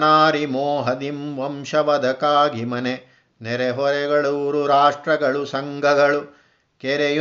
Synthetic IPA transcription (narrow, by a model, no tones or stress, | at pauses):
naːɾimoːɦɐd̪imʋɐmʃɐʋɐd̪ʱɐkaːɡimɐne | nɛɾɛɦɔɾɛɡɐɭuɾuɾaːʂʈɾɐɡɐɭusɐŋɡʱɐɡɐɭu | kɛɾeju